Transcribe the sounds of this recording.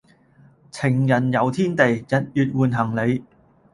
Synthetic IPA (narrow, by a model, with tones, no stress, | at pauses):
t͡sʰɪ˨˩ŋjɐ˨˩njɐ˨˧wt̪ʰiː˥nt̪e˨jjɐ˨t̚jyː˨t̚wuː˨˩nɦɐ˨˩ŋle˨˧j